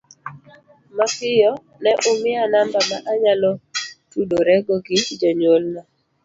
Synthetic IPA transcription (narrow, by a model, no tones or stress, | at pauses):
makɪjɔ | nɛʔʊmɪanambamaʔaɲalɔtuɗoɾɛɡɔɡɪd͡ʒɔɲolna